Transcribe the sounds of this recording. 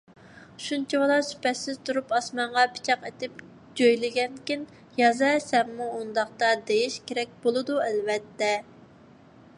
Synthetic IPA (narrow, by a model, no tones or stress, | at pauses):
ʃunt͡ʃʰiwlˠɑɾsy̥pɛt̪sɪz̥t̪ʰuɾupɑsmɑɴʁɑpʰɪ̥t͡ʃʰɑqet̪ɪp | d͡ʒøjlɪɡʲɛnkʲin | jɑzɛsɛmːuund̪ɑχt̪ɑd̪ejiʃkʲeɾɛk̚ʲb̥olˠɨd̪uælvɛt̪ːɛ